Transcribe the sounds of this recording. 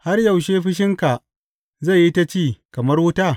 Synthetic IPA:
ha˦rjɐ˨wʃeː˦ɸɪ˦ʃ̬ɪ˦ŋka˨ʔ | za˦˨jːi˦ta˦t͡ʃiː˦˨kɐ˨mɐ˦rwʊ˦taː˦

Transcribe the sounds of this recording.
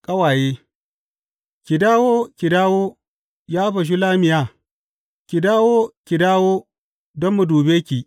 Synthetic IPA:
kʼɐ˦waː˨jeː˦ | kʲi˨daː˦woː˦kʲi˨daː˦wo˦ | jaː˦ɸɐ˨ʃ̬i˦laː˦mɪ˨jaː˦ | kʲi˨daː˦wo˦kʲi˨daː˦woː˦ | dɔ˦mːu˨duː˨beː˦kʲi˨

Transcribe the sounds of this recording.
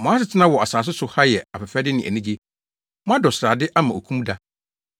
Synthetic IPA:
mɔ̃˨˦a˦s̬ɪ˨tʰɪ˦nã˦wɔ˨a˨saː˨s̬ʊ˦sʊ˨ha˦jɛ˨a˨pɛ˨fa˦dɪ˦nɪ̃˨ʔæ̰˨nĩ˦d͡ʑi˦ | mɔ̃˦a˦dɔ˨sɪ˨ɾaː˨dɪ˦ʔa˦mã˨o˨kʰũ˦m̃˦da˦

